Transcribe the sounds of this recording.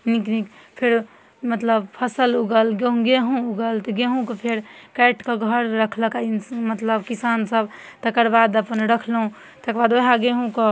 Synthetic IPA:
niknikpʰeɾ | mət̪ləbpʰəsəluɡəlɡeɦũɡeɦũuɡəlt̪ɔɡeɦũkɔpʰeɾkɛʈʰkeɡʱəɾɾəkʰləkaimət̪ləbkisansəb | t̪əkəɾbad̪əpənɾəkʰlɦũ | t̪ekɾbad̪oɦaɡeɦũkɔ

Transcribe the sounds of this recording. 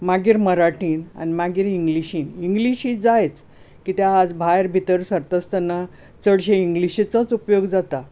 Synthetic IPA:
maɡiːɾməɾaʈiːna̰nimaɡiːɾiŋɡliɕiːniŋɡliɕiːd͡zajet͡s | kit̪jaːd͡zbʱajɾbʱit̪əɾsəɾt̪əst̪ənːa | t͡səɽɕeiŋɡliɕit͡sət͡supjoɡd͡zat̪a

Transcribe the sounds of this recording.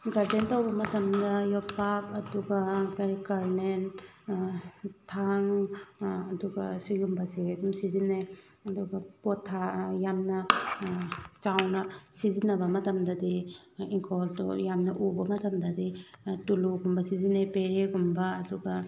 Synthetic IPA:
ɡaɾdentɐwbɐmɐtɐmdɐjɔpapɐduɡɐkkaɾnen | tʰaŋː | duɡɐsijumbɐsiɐdumsizine | ɐduɡɐpotʰːajamnɐ | t͡ʃawnɐsizinɐbɐmɐtɐmdɐdi | iŋkʰoltṵjamnɐʔubɐmɐtɐmdɐdituluɡumbɐsizinepeɾeɡumbɐːduɡɐ

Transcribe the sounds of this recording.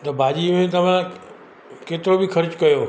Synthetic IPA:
t̪ɐbʱaːd͡ʑiːmẽt̪ɐʋ̤ã | keːt̪ɪɾobɪxʰɐɾt͡ɕkɐjoː

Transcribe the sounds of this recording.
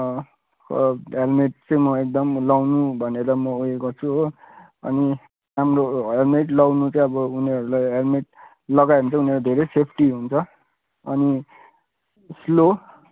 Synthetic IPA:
kɦelmeʈ̚t͡sʌj̃mʌek̚d̪ʌmlawnubʱʌneɾʌmʌojekot͡sʰuɦo | ʌ̰ni | ramroelmeʈlʌwnut͡sʌ̃ʌbʌuneʌɾulajɦelmeʈ̚ | lʌɡajɦunt͡sʌ̃uneʌɾod̪ʱeɾejsepʰʈiɦunt͡sʰʌ | ʌni | slo

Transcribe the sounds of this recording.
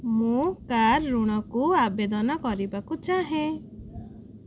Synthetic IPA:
mũkaɾːuɽ̃ɔkuabed̪ɔnɔkɔɾibakut͡ʃaɦẽ

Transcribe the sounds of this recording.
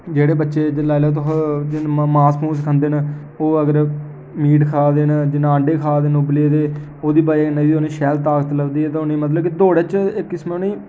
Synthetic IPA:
d͡ʒeːɽeːbətːʃeːd͡ʒlaːilaːt̪̬ʊɦd͡ʒɪnmaːsmũːs̬kʰənd̪eːna | oːəɡəɾ | miːʈkʰaːd̪eːnd͡ʒɪnãːɳɖeːkʰaːd̪eːnobleːd̪eː | oːd̪iːbaːenaioːnĩːʃɛːlt̪aːkət̪ləɡd̪iːɛːt̪ãːʊniːmət̪̬ləbkid̪oːɽeːt͡ʃɪkːɪsmːniː

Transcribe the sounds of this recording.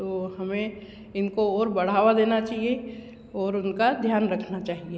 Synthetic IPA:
t̪ohɐmẽ | ɪnkoɔːɾbɐɽ̤aːʋad̪eːnat͡ʃaːɦie | ɔːɾʊnkad̪ʱjaːnɾəkʰnat͡ʃaːɦie

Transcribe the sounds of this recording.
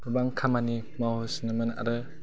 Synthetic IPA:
ubaŋkʰamani | mawhɯsnɯmɯna̰ɾɯ

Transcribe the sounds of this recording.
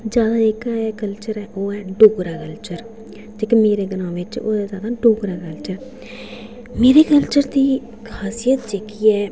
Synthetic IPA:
d͡ʒjaːd̪aːɪkɛːkəlt͡ʃəɾɛːʔoːɛːɖoːɡɾaːkəlt͡ʃəɾ | t̪ɪkimeːɾeːɡənãːʋɪt͡ʃo̰ːd̪azjaːd̪aːɖoːɡɾaːkəlt͡ʃəɾ | meːɾeːkəlt͡ʃəɾd̪iː | kʰaːsijət̪d͡ʒeːkiːɛː

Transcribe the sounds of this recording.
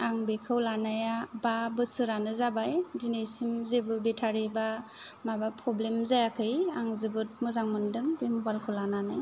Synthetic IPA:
aŋbekʰɯwlanajababɯsɯɾanɯzabajdinejsimzebɯbetʰaɾiba | mabapʰɾɔblemzajakʰɯjaŋzɯbɯt̚mɯzaŋmɯndɯŋbembalkʰɯwlananaj

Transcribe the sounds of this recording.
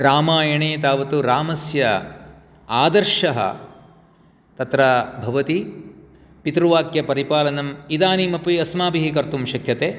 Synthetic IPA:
ɾaːmaːjɐɳeːt̪aːʋɐt̪uɾaːmɐsjɐ | aːd̪ɐɾʃɐɦɐ̰ | t̪ɐt̪ɾɐbʱɐʋɐt̪i | pit̪ɾuʋaːkjɐpɐɾipaːlɐnɐmid̪aːniːmɐpiɐsmaːpiɦikɐɾt̪umʃɐkʰjɐt̪eː

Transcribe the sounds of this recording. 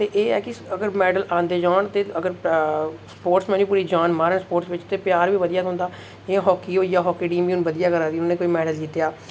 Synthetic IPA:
t̪eːʔeːɛːkɪəɡəɾmɛːɖəlʔãːnd̪eːd͡ʒaːɳt̪eːəɡəɾ | spoːɾʈsmɛ̃ːnũːpuːɾiːd͡ʒaːnmaːɾəɳspoːɾʈsʋɪt͡ʃt̪eːpɪjaːɾʋiːʋəd̪ijaːʊ̃ːnd̪aː | eːɦɔːkiːoːiːjaːɦɔːkiːɖiːmiuːnʋəd̪ijaːkəɾaːd̪iːnoːẽːkoːiːmɛːɖəld͡ʒɪt̪jaː

